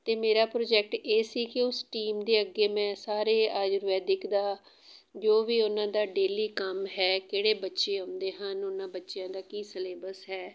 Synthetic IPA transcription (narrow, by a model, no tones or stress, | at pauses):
t̪eːmeːɾaːpɾoːd͡ʒɛk̚ʈeːsiːkɪʊsʈiːmd̪eːəɡːeːmɛ̃ːsaːɾeːaːd͡ʒɾʋɛːd̪ɪkʰd̪aː | d͡ʒoːʋiːʊnãːd̪aːɖeːliːkəmɦɛːkeːɽeːbətːʃeːɦʊ̃nd̪eːɦənʊnãːbətːʃɪjãːd̪aːkiːsəleːbəsɦɛː